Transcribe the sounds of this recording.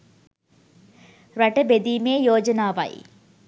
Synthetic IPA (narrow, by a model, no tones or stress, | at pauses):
ɾɐʈəbed̪iːmeːjoːd͡ʒənaːʋɐ̰j